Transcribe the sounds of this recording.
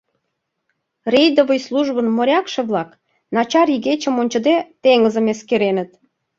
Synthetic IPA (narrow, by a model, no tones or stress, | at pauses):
rʲejd̪ovə̆jsluʒβənmoɾʲɑkʃɤ̆βlɑk | nɑt͡ɕɑriɣet͡ɕə̆monʲt͡ɕə̆d̪et̪eŋəzə̆meskeɾenə̆t̪